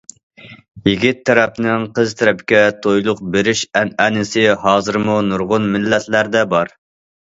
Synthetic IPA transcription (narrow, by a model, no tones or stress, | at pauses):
jiɡʲit̪ʰːɛɾɛpnɪŋqʰəzt̪ʰɛɾɛpkʲɛt̪ʰojlˠʊq̚beɾɪʃɛnɛnɪsɪhɑːzɨɾɨmunuɾʁʊnmɪlːɛt̪ʰlæɾd̪ɛbɑɾ